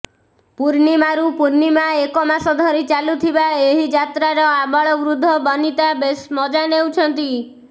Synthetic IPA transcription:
puɾnimaɾupuɾnimaekɔmasɔd̪ʱɔɾit͡ʃalut̪ʰibaeɦid͡ʒat̪ɾaɾɔabaɭɔɡɾud̪ʱːɔbɔnit̪abesmɔd͡ʒanewt͡ʃʰɔnt̪i

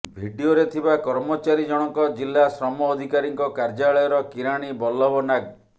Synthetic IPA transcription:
bʱiɖioɾet̪ʰibakɔɾmɔt͡ʃaɾid͡ʒɔɽ̃ɔŋkɔd͡ʒilːasɾɔmɔːd̪ʱikaɾiŋkɔkaɾd͡ʒaɭɔjɔɾɔkiɾaɽ̃ibɔlːɔbɔnaɡ̚

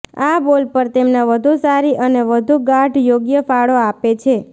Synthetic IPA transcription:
abolpəɾt̪emnaʋəd̪ʱusaɾiʔəneʋəd̪ʱuɡaʈjoɡjəfaɭoapet͡ʃʰe

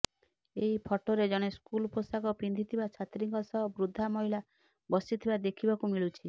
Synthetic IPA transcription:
eɦipʰɔʈoɾed͡ʒɔɽ̃eskulposakɔpind̪ʱit̪ʰibat͡ʃʰat̪ɾiŋkɔsɔɦbɾud̪ʱːamɔɦila | bɔsit̪ʰibad̪ekʰibakumiɭut͡ʃʰi

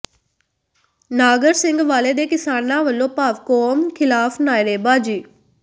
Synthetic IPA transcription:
naːɡəɾsɪ̃ŋɡʋaːleːd̪eːkɪsaːnãːʋəlːõːpaːʋkoːmkʰɪlaːfʰnaːjɾeːbaːd͡ʒiː

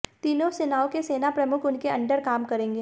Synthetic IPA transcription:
t̪iːnõsɪnaːõkeseːnapɾɐmʊkʰʊnkeɐ̃ɳɖəɾkaːmkɐɾẽːŋɡeː

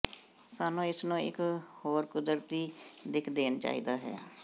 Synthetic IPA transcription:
saːnõːɪsnõːɪ̰khoːɾkʊd̪əɾt̪iːd̪ɪkʰd̪eːnt͡ʃa̰ːḭːd̪aːɦɛ̰ː

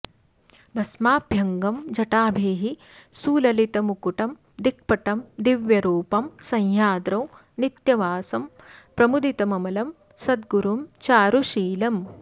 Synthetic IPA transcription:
bʱɐsmaːbʱjɐŋɡɐmd͡ʒɐʈaːbʱeːɦi | suːlɐlit̪ɐmukuʈɐm | d̪ik̚pɐʈɐmd̪iʋjɐɾuːpɐmsɐ̃jjaːd̪ɾɐw | nit̪jɐʋaːsɐm | pɾɐmud̪it̪ɐmɐmɐlɐm | sɐd̪ɡuɾumt͡ʃaːɾuʃiːlɐm

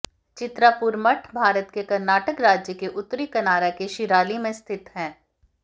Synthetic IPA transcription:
t͡ʃɪt̪ɾapuɾməʈʰbʱaːɾət̪kekɐɾnaːʈəkɾaːd͡ʒjəkeʔʊt̪ːɾikɐnaːɾakeʃɪɾaːlimẽst̪ʰɪt̪ɦɛ̃ː

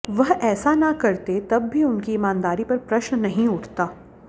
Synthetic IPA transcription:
ʋɐɦɛːsanɐkɐɾt̪et̪ɐbːʱiʊnkiːmaːnd̪aːɾipɐɾpɾɐʃnnɐɦĩʊʈʰt̪aː

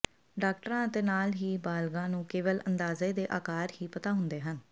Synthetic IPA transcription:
ɖaːkʈɾãːət̪eːnaːlɦiːbaːlɡãːnũːkeːʋəlʔənd̪aːzeːd̪eːʔaːkaːɾhiːpət̪aːɦʊ̃nd̪eːɦən

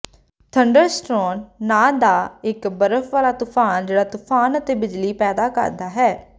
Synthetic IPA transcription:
t̪ʰəɳɖəɾsʈɾɔːnːaːd̪aːɪkbəɾəfʋaːlaːt̪ʊpʰaːnd͡ʒeːɽaːt̪ʊpʰaːnət̪eːbɪd͡ʒliːpɛːd̪aːkə̰ɾd̪aːɦɛː

